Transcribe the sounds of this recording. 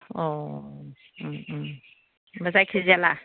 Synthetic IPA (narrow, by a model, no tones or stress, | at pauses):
ɔ | bəzajkʰeziala